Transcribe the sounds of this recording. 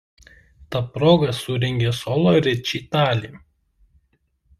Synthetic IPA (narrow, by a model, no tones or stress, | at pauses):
t̪ɐpɾoːɡɐsʊɾʲɛŋʲɡʲesɔːlˠoɾʲɪt͡ʃʲiːt̪ɑːlʲiː